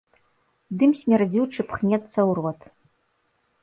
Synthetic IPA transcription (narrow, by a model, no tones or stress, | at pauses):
d̪ɨmsʲmʲɛrd͡zʲiwʈ͡ʂʰɨpʰχnʲɛtt͡sːɐwrwatʰ